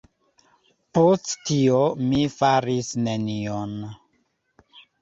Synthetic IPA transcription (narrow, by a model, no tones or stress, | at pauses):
posttiomifaɾisnenion